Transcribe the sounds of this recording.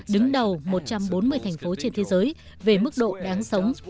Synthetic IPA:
ɗɨ˨˦ŋɗə˨˩wmo˨˩t̚t͡ɕa˧mɓo˨˦nmɨ˧əjt̪ʰɛ˨˩ŋ̟fo˨˦t͡ɕe˧nt̪ʰe˨˦zəː˨˦j | ve˨˩mɨ˦˥k̚ɗo̰˧˨ɗaː˨˦ŋsə˨˦wŋ͡m

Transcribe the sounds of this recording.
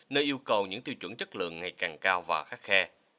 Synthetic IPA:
nəː˧jʔi˧əwkə˨˩wɲɨ̰˧˥ŋt̪i˧wt͡ɕwə̰˧˩nt͡ɕə˦˥t̚lɨ̰˧˨əŋːa˨˩jkaː˨˩ŋkaː˧wvaː˨˩xaː˦˥k̚xɛ˧

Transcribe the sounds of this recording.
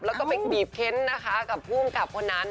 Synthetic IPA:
p̚lɛ˦˥wkɔː˥˩pa˧jkʰbiː˨˩p̚kʰe˦˥nːa˦˥kʰa˦˥ka˨˩p̚ʰːu˥˩ŋka˨˩p̚kʰo˧nːa˦˥n

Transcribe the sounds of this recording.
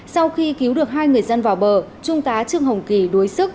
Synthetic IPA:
sa˧wxi˧ki˨˦wɗɨ˨˩ək̚ɦaː˧jŋɨ˨˩əjzə˧nvaː˨˩wɓəː˨˩t͡ɕʊ˧ŋ͡mt̪aː˨˦t͡ɕɨ˧əŋɦə˨˩wŋ͡mki˧˩ɗo˨˦jsɨ˦˥k̚

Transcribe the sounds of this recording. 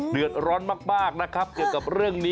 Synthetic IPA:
dɯ˨˩ət̪̚ɾɔː˦˥nmaː˥˩k̚maː˥˩k̚na˦˥kʰa˦˥p̚ki˨˩əwka˨˩p̚ɾɯ˥˩əŋniː˦˥

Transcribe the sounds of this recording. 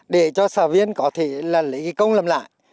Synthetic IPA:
ɗe˧˩t͡ɕɔ˧səː˨˩vi˧ənkɔ˨˦t̪ʰe˧˩laː˨˩lḭ˨˦˨kə˧wŋ͡mləː˨˩mla̰ː˧˨j

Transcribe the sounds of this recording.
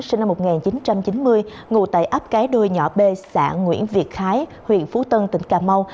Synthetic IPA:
si˧na˧mːo˨˩t̚ŋaː˨˩nt͡ɕi˨˦nt͡ɕa˧mt͡ɕi˨˦nmɨ˧əj | ŋṵ˧˩t̪a̰ː˧˨jʔə˦˥p̚kaː˨˦jɗo˧jɲɔ˧˩ɓe˧sa̰ː˧˩˨ŋŋwḭ˧˥ənvi˨˩ət̚xaː˨˦j | hwḭ˧˨ənfu˨˦t̪ə˧nt̪ï˧˩ŋ̟kaː˨˧˩ma˧w

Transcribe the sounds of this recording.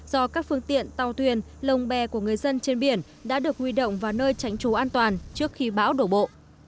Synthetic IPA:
z̥ɔ˧kaː˦˥k̚fɨ˧əŋt̪ḭ˧˨ənt̪a˨˩wt̪ʰwi˨˩ənlə˨˩wŋ͡mɓɛ˨˩ku˧˩əŋɨ˨˩əjzə˧nt͡ɕe˧nɓi˨˩ən | ɗa̰ː˧˥ɗɨ˨˩ək̚hwi˧ɗo̰˧˨wŋ͡mvaː˨˩nəː˧jt͡ɕa˨˦jŋ̟t͡ɕo˨˦ʔaː˧nt̪waː˨˩nt͡ɕɨ˦˥ək̚xi˧ɓa̰ː˧˥wɗo˧˩ɓo̰˧˨

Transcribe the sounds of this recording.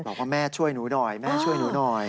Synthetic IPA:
bɔː˨˩kwaː˥˩mɛː˥˩t͡ɕʰu˥˩əjnuː˨˦˥nɔː˨˩jmɛː˥˩t͡ɕʰu˥˩əjnuː˨˦˥nɔː˨˩j

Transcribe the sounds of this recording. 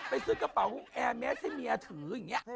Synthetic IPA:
pa˧jsɨ˦˥˩ka˧˩pa˨˩˦wk̚ʔɛː˧mɛː˦˥sha˥˩jmiː˧ʔa˧t̪ʰɯː˨˩˦ŋːi˦˥ə˧

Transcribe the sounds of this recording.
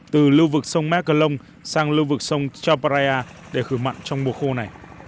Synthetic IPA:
t̪ɨ˨˩lɨ˧vɨ˨˩k̚sə˧wŋ͡mmɛ˦˥kə˧lə˧wŋ͡m | saː˧ŋlɨ˧vɨ˨˩k̚sə˧wŋ͡mt͡ɕaː˧pa˧ɾa˧aː˧ | ɗe˧˩xɨ˧˩ma̰˧˨jnt͡ɕɔ˧wŋ͡mmu˨˩əxo˧na˨˩j

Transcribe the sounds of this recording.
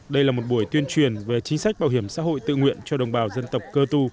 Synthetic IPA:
ɗə˧jlaː˨˩mo˨˩t̚ɓu˧˩əjt̪wi˧ənt͡ɕwi˨˩ənve˨˩t͡ɕï˨˦ŋ̟sa˦˥k̚ɓaː˨˧˩wɦi˧˩əmsa̰ː˧˥ɦo̰˧˨jt̪ɨ̰˧˨ŋwḭ˧˨ənt͡ɕɔ˧ɗə˨˩wŋ͡mɓaː˨˩wzə˧nt̪ə˨˩wk͡p̚kəː˧t̪u˧

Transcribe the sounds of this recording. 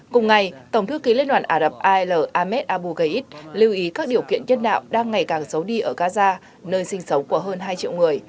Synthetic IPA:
kʊ˨˩ŋ͡mŋa˨˩jt̪ə˧˩ŋ͡mt̪ɨ˨˦˥kːi˨˦li˧nwa̰ː˧˨nʔaː˧˩ɗə˨˩p̚ʔaː˧ləː˨˩ʔaː˧mɛ˦˥t̚ʔaː˧ɓu˧ɣə˧jʔi˦˥t̚li˧wʔi˨˦kaː˦˥k̚ɗi˨˩əwkḭ˧˨ənɲə˧nɗa̰ː˧˨wɗaː˧ŋːa˨˩jkaː˨˩ŋsə˨˦wɗi˧ʔəː˧˩ɣaː˧zaː˧ | nəː˧jsï˧ŋ̟sə˨˦wŋ͡mku˧˩əɦəː˧nɦaː˧jt͡ɕḭ˧˨wŋɨ˨˩əj

